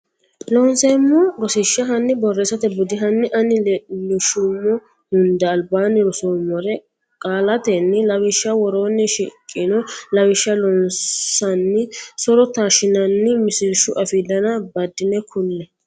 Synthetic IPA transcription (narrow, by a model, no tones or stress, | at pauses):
lɔːnsɛmːɔɡɔsɪʃːɐɦɐnːɪbɔrːeːsɐt̪ɛbʊd̪ɪɦɐnːɪʔɐnɪlʊʃʊmːɔ | hʊnd̪ɛɐlbaːnɪɾʊsomːɔɾɛ | kʼaːlɐt̪ɛnːɪlɐwɪʃːɐwɔɾoːnːɪʃikʼːɪnɔlɐwɪʃːɐlɔnsɐnːɪsɔɾɔt̪aːʃɪnɐnːɪmɪsɪɾʃʊʔɐfid̪ɐnɐbɐd̪ːɪnɛkʰʊlːɛ